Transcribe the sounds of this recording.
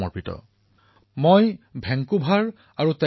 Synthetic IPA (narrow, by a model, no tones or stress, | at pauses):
ɔ̰ɹpitɔ̰ | mojbʱɛŋkubʱaɹ | aɹutɛ